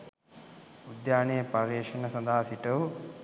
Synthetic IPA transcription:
ud̪jaːnejpɐɾeʃinɐsɐnd̪aɦasiʈɐu

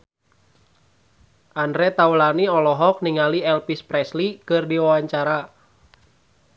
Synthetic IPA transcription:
ʔandɾɛt̪aulaniɔlɔɦɔk̚niŋaliɛlpispɾɛslikɨrdiwawaɲt͡ʃaɾa

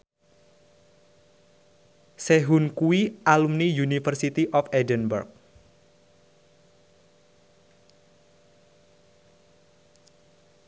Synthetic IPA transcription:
seɦunkuiʔalumnijunifərsit̪iʔɔfɛdənbə̰rk̚

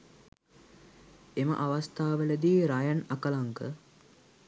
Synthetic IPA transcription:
emə̰ʔaʋast̪aːʋələd̪iːɾajanakəlaŋkə

